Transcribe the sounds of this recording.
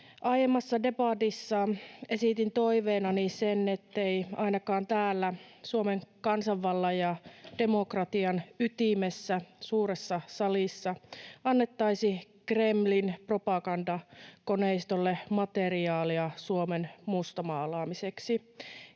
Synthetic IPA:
ʔɑjemːɑsːɑdepɑt̪isːɑːnesit̪int̪oiʋeːnɑnisenːet̪ːeiɑinɑkɑːnt̪æːlːæsuomeŋkɑnsɑʋːɑlːɑjɑd̥emokrɑt̪iɑnyt̪imesːæsuːɾesːɑsɑlisːɑɑnːet̪ːɑisi | kremlinpropɑkɑndɑkoneist̪olːemɑt̪eriɑːliɑsuomenmust̪omɑːlɑːmiseksi

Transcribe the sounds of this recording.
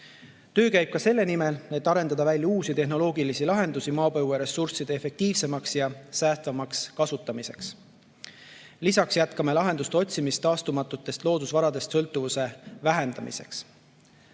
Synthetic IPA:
t̪ø̞ːkæjb̥̚kɑse̞lːe̞nime̞le̞t̪ːˑɑɾe̞nd̪̥ɑd̪ɑvælʲjɑuːsit̪e̞hno̞lo̞ːɡilisilɑɦe̞nd̪usimɑːpɤjveɾe̞sursid̪̥eefe̞k̚t̪iːvse̞mɑksjɑsæːst̪vɑmɑkskɑsut̪ːˑɑmise̞ks | lisɑksjæt̪kɑme̞lɑɦe̞nd̪ust̪eo̞t̪ʲsimist̪ːɑːst̪umɑt̪ːˑut̪ːˑe̞st̪lo̞ːd̪usvɑɾɑd̪̥e̞st̪sɤ̞lt̪ːˑuvuse̞væɦe̞nd̪ɑmḭse̞̰ks

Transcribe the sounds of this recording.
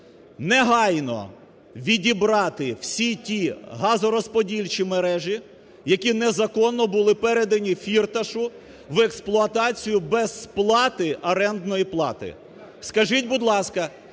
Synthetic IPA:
nɛɦɑjnɔ̰ | ʋʲidʲibɾɑt̪ɪw̥sʲitʲiɦɑzɔɾɔspɔdʲilʲt͡ʃimeɾɛʒi | jɐkʲinɛzɐkɔnːɔbʊlˠɪpɛɾed̪ɐnʲifʲirt̪ɐʃʊ | ʋeksplˠʊɐt̪ɑt͡sʲijʊbɛz̥plˠɑt̪ɪʔɐɾɛnd̪nɔjiplˠɑ̰t̪ɪ̰ | skɐʒitʲbʊd̪lˠɑskɐ

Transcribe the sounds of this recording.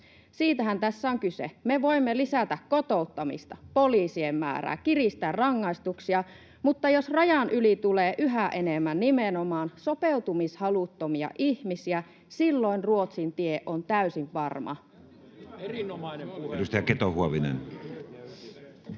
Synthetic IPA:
siːt̪æɦænt̪æsːæoŋkysḛmeʋo̞imːelisæt̪ækkot̪o̞ut̪ːɑmḭst̪ɑpo̞liːsiemːæ̰ːɾæ̰ːkirist̪ærrɑŋːɑist̪uksiɑ | mut̪ːɑjosrɑjɑnʔylit̪uleːʔyɦæʔenemːænːimenomɑːnsopeut̪umishɑlut̪ːomiɑ̰ʔihmisiæ | silːo̞inruo̞t̪sint̪ieʔʔont̪æysiʋʋɑrmɑ̰ | dust̪ɑjɑket̪ohuoʋinḛn

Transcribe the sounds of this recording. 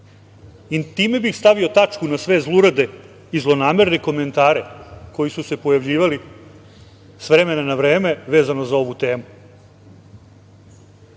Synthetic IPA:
it̪iːme̞bixst̪aʋio̞t̪at͡ʃkunasʋe̞zlˠuɾad̪e | izlˠo̞naːme̞ɾneko̞me̞nt̪aːɾe̞ko̞jisuse̞po̞jaʋʎiːʋali | sʋɾe̞me̞nanaʋɾe̞ːme̞ʋe̞ːzanozao̞ʋut̪e̞ːmu

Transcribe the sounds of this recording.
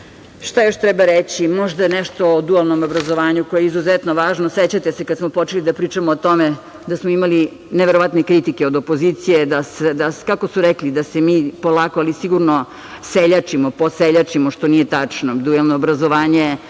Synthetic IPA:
ʃt̪ajo̞ʃt̪ɾɛbaɾet͡ɕimo̞ʒd̪ajeneʃt̪o̞od̪ualˠnomobɾazoʋaːɲuko̞jeizuzet̪noʋaːʒnoset͡ɕat̪esekad̪smopo̞t͡ʃelid̪apɾiːt͡ʃamoːt̪o̞me | d̪asmoimali | neʋeɾoʋat̪nekɾit̪ikeo̞d̪opo̞ziːt̪sijed̪ased̪akako̞suɾeklid̪asemiːpolaːkoalisiɡuɾno | seʎat͡ʃimoposeʎat͡ʃimoʃt̪onijet̪at͡ʂnod̪ualˠnoːbɾazoʋaːɲe

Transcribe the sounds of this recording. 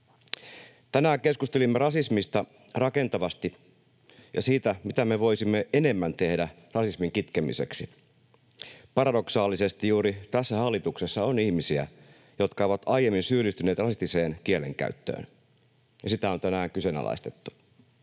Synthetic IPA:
t̪ænæːŋke̞skust̪elimːerɑsismist̪ɑ | rɑke̞nt̪ɑʋɑst̪i | jɑ̰siːt̪æmit̪æme̞ʋo̞jsimːeʔene̞mːænt̪e̞hdæ | rɑsismiŋkit̪kemḭse̞̰ksi | pɑɾɑdo̞ksɑːlːise̞st̪ijuːɾit̪æsːæhɑlːit̪ukse̞sːɑonihmisiæ̰ | jo̞t̪kɑoʋɑt̪ɑjemːinsyːlist̪yne̞ːt̪rɑsist̪ise̞ːnkie̞leŋkæ̰yt̪ːø̰ːn | jɑsit̪æont̪ænæːŋkyse̞næ̰lɑ̰ist̪et̪ːu̥

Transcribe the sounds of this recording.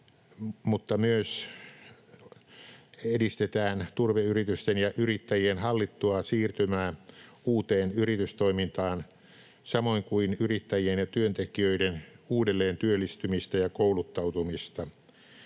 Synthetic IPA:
mut̪ːɑmyøs | edist̪et̪æːnt̪urʋeyrit̪yst̪enjɑʔyrit̪ːæjienhɑlːit̪ːuɑsiːrt̪ymæːuːt̪eːnyrit̪yst̪oimint̪ɑːn | sɑmoiŋkuinyrit̪ːæjienjɑt̪yønt̪ekiøidenuːdelːeːnt̪yølːist̪ymist̪æjɑkoulut̪ːɑut̪umist̪ɑ

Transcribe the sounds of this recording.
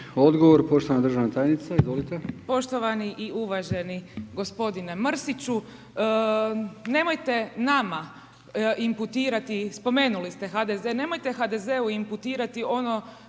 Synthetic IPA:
o̞d̪ɡoʋoɾpoʃt̪oʋanad̪ɾr̩ʒaʋnat̪aːjnit̪saizʋolit̪epo̞ʃt̪oʋaniʔiuʋaʒe̞niɡo̞spo̞d̪ine̞mr̩sit͡ɕu | ne̞mo̞jt̪e̞nama | imput̪iːɾat̪ispo̞me̞ːnulist̪e̞xad̪ezene̞mojt̪e̞xad̪e̞zeuimput̪iːɾat̪io̞no̞

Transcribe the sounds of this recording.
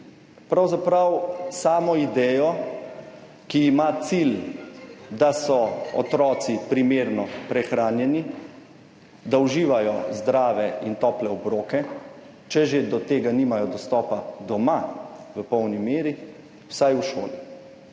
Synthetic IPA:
pɾawzapɾawsaːmɔid̪ɛːjɔ | kiːmat̪sil | d̪asɔɔ̰t̪ɾɔːt̪sipɾimeːɾnɔpɾɛxɾaːnjɛni | d̪auʒiːʋajɔzd̪ɾaːʋɛint̪ɔːplɛɔbɾoːkɛ | t͡ʃɛʒed̪ɔt̪eːɡaniːmajɔd̪ɔst̪ɔːpad̪ɔmaʋəpɔwnimeːɾi | w̥sajuʃo̰ːli

